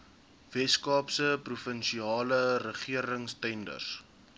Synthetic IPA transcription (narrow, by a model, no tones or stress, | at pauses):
vɛskɑːpsəprufənʃiɑːlərəχiəɾəŋstɛndə̰rs